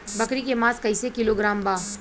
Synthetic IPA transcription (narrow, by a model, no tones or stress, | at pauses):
bɐkɾikemãːskɐɪisekɪloɡɾaːmbaː